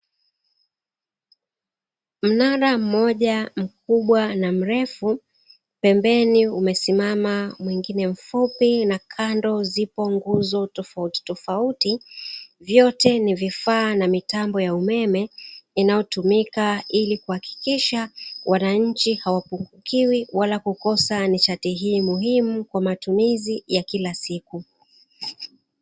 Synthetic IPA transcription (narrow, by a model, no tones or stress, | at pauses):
m̩naɾam̩mɔʄam̩k̚uɓwanam̩ɾɛfu | pɛmbɛniumɛsimamamwiŋɡinɛm̩fupinakʰandɔzipɔŋɡuzɔtɔfauti̥tɔfautivjɔtɛnivifaːnamitambɔjaumɛmɛinajɔtumikailikuhaki̥kiʃawʔanaɲ̩t͡ʃihawapuŋɡukiwiwalakukɔsanit͡ʃatiɦiːmuɦimukwamatumizijakilasiku